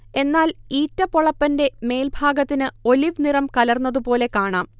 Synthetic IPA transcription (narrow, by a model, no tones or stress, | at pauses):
e̞nːaːliːtːɐpoɭɐpːɐnde̞me̞ːlbʱaːɡɐt̪ːinɨo̞liʋnirɐmkɐlɐrnːɐðupo̞ːle̞kaːɳaːm